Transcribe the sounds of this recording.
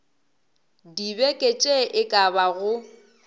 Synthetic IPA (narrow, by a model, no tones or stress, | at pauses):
dibɛkʼet͡ʃʼeʔɪkʼabaɣʊ